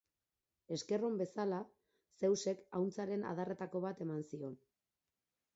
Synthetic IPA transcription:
e̞ske̞ro̞mbe̞sala | se̞wse̞kawnt͡saɾe̞na̰ð̞are̞t̪ako̞βat̪e̞mansio̞n

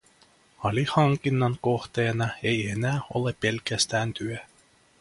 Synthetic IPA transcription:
ɑlʲihɑŋkinːɑŋkoht̪eːnɑe̞jenæːo̰lepelkæst̪æːnt̪yø

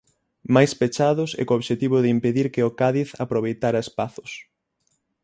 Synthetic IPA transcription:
majspet͡ʃaðʊsɛ̰kooβʃet̪iβʊðɪimpeðiɾkɪokaðiθa̰pɾoβ̞ejt̪aɾɐespaθʊ̥s

